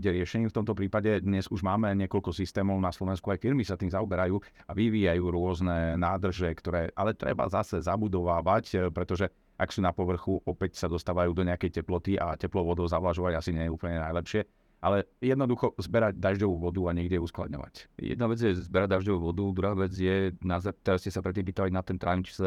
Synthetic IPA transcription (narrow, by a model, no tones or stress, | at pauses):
ɟɛɾɪɛʃɛɲiːft̪ɔmt̪ɔpɾiːpaɟɛd̪ɲɛzuʒmaːmɛɲɪɛkɔʎkɔsist̪ɛːmɔʊnaslɔʋɛnskuajfiɾmisat̪iːmzaɔbɛɾajuː | aʋiʋiːjajuːɾʊɔznɛnaːd̪r̩ʒɛkt̪ɔɾɛːʔalɛt̪ɾɛ̰ba̰zasɛzabud̪ɔʋaːʋacpɾɛt̪ɔʒɛ | ʔaksuːnapɔʋr̩xuʔɔpɛcsad̪ɔst̪aːʋajuːd̪ɔɲɛakɛjcɛplɔt̪iʔa̰cɛplɔʋɔd̪ɔʊzaʋlaʒɔʋaɟasiɲɛjɛupl̩ɲɛnajlɛpʃɪɛ | ʔalɛjɛd̪nɔd̪uxɔzbɛɾaɟd̪aʒɟɔʋuʋɔd̪uaɲɛɡɟɛuskla̰d̪ɲɔ̰ʋa̰cjɛ̰d̪naʋɛd͡zjɛzbɛɾaɟ̚d̪aʒɟɔʋuʋɔd̪ud̪ɾuɦaːʋɛd͡zjɛnazat̪ɛd̪ascɛsapɾɛt̪ːiːmpiːt̪aʋaɟnat̪ɛnt̪ɾaːnimt͡ʃi̥sɛ